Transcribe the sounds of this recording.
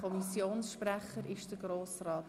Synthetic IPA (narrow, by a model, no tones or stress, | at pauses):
ɔmisjoːnsʃpræχəɾɪʃd̥əɡ̥ɾoːsrɑːt